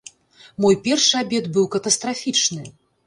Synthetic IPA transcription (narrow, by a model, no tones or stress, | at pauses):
mɔjpʲɛrʂɨabʲɛd̪bɨwkɐt̪ɐst̪ɾafʲit͡ʂnɨ